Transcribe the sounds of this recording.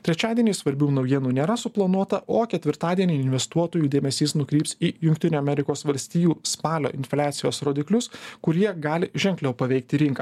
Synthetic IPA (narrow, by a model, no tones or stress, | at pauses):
t̪ʲɾʲɛt͡ʃʲæːd̪ʲiɛnʲiːsʋɐɾʲbʲuːnɐʊjiɛnuːnʲeːɾɐsʊplˠɐnuɔt̪ɐʔoːkʲɛt̪ʲʋʲɪɾt̪ɑːd̪ʲiɛnʲiːɪnʲʋʲɛst̪uɔt̪oːjuːd̪ʲeːmʲɛsʲiːsnʊkɾʲiːpsiːjʊŋʲk̚ʲt̪ʲɪnʲuːɐmʲɛɾʲɪkoːsʋɐlʲsʲt̪ʲiːjuːspɑːlʲo̰ːʔɪnʲfʲlʲæːt̪sʲɪjo̰ːsɾoːd̪ʲɪklʲʊskʊɾʲiɛɡɑːlʲɪʒʲɛŋʲklʲɛʊpɐʋʲɛɪk̚t̪ʲɪɾʲɪŋkɐː